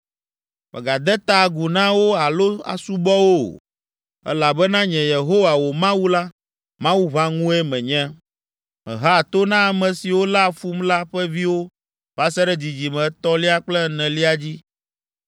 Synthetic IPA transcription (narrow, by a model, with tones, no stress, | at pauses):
mɛ̰˨ɡa˨d̪ɛ˦t̪a˨ɡu˨nã˦wo˦a˨lo˦a̰˨su˦bɔ˦wo˦˨ | ɛ̰˦la˨bɛ˦nã˦ɲɛ̃˨je˨ɦo˦wa˨wo˨mã˦wu˦la˦ | mã˦wu˦βã˦ŋũ˦ɛ˦mɛ̃˨ɲɛ̃˦ | mɛ̰̃˨ɦa˦˨t̪o˦nã˦a˨mɛ̃˨si˨wo˦la˦˨fu˦mla˦ɸɛ˦vi˦wo˦ | ba˦sɛ˦ɖɛ˦d͡ʑi˨d͡ʑi˨mɛ̃˨˦t̪ɔ˦li˦a˦k͡plɛ˦nɛ̃˨li˦a˦d͡ʑi˦